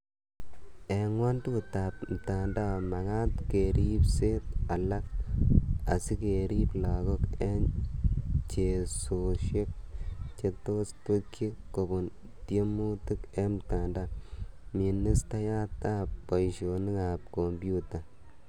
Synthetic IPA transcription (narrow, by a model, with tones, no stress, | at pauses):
e˨ŋwa˦ntu˦ta˨p̚m̩˨ta˨nda˦˨ma˨ɡa˦tke˨ɾi˦pse˦ta˨la˦k | a̰˨si˦ke˨ɾi˦pla˨ɡo˦ke˦n | t͡ʃe˨so˨ʃe˦k̚t͡ʃe˦to˦stu˦kːi˦kkːo˨bʊ˨n | ti˦e˦mu˦tu˦ke˦m˨ta˨nda˦mi˨ni˦sta˦ja˦ta˦p̚ːa˨jʃo˨ni˦ka˨p̚ko˨mbju˦ta˨